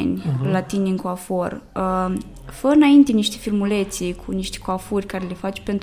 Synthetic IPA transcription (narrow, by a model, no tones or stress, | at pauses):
nʲlat̪iniɨŋkoafor | fəɨnaint̪e̞niʃt̪efilmule̞t̪sikʰuniʃt̪e̥koafurʲkaɾe̞le̞fat͡ʃe̥pe̞nt̪